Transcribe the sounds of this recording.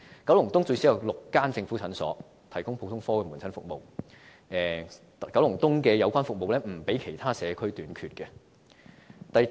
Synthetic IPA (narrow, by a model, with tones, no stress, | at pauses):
kɐ˨˥wlʊ˨˩ŋt̪ʊ˥ŋt͡sɵ˧ɥsi˨˥jɐ˨˧wlʊ˨kːaː˥nt͡sɪ˧ŋfuː˨˥t͡sʰɐ˨˥nsɔ̰ː˨˥ | t̪ʰɐ˨˩jkʊ˥ŋpʰo˧wt̪ʰʊ˥ŋfɔː˥kɛː˧mu˨˩nt͡sʰɐ˥nfʊ̰˨k̚mo˨w | ʔɛː˨ | kɐ˨˥wlʊ˨˩ŋt̪ʊ˥ŋkɛː˧jɐ˨˧wkʷaː˥nfʊ˨k̚mo˨wlɛː˥m̩˨˩pe˨˥jkʰe˨˩jt̪ʰaː˥sɛː˨˧kʰɵ˥ɥt̪yː˨˧nkʰyː˨˧t̚kɛː˧ | t̪ɐ˨j